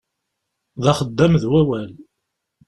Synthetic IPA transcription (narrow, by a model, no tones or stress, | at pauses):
ðɑχəd̪ːæmðwæwæl